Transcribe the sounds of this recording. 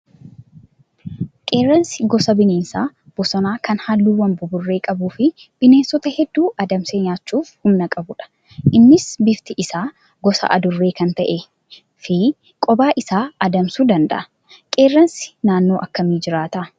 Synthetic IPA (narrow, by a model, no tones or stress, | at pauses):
kʼe̞ːrːɐnsɪɡɔsɐbɪneːnsaː | b̥ɔsɔnaːkɐnhalːuːwɐmbʊbʊrːe̞ːkʼɐbuːfɪb̥ɪneːnsɔt̪ɐhɛd̪ːuːʔɐd̪ɐmseːɲaːt͡ʃːuːfhʊmnɐkʼɐbʊᶑɐ̥ | ʔɪnːɪsbɪft̪ɪʔɪsaː | ɡɔsɐ̰ʔɐ̰d̪ʊrːe̞ːkɐnt̪ɐʔe | fɪ | kʼɔbaːʔɪsaːɐd̪ɐmsuːd̪ɐnd̪ɐ̰ʔɐ̥ | kʼe̞ːrːɐnsɪ̥naːnːo̞ːʔɐkːɐmiːd͡ʒɪɾaːt̪ɐ